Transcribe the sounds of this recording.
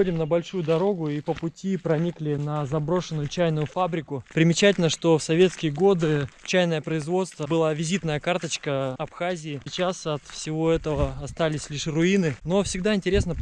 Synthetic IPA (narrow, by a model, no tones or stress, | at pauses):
odʲɪmnəbɐlʲʂujʊd̪ɐɾo̞ɡʊipəpʊtʲipɾɐnʲiklʲɪnɐzɐbɾo̞ʂɨnːʊjʊt͡ɕæjnʊjʊfabɾʲɪkʊpɾʲɪmʲɪt͡ɕætʲɪlʲnəʂt̪o̞fsɐvʲe̞t̪skʲɪjəɡo̞d̪ɨt͡ɕæjnəjəpɾəɪzvo̞t̪st̪vəbɨlˠavʲɪzʲit̪nəjəkart̪ət͡ɕkəɐpxazʲɪːɪt͡ɕasɐt̪fsʲɪvo̞ɛt̪əvəɐst̪alʲɪsʲlʲiʂrʊinɨno̞fsʲɪɡd̪aɪnʲtʲɪɾʲesnə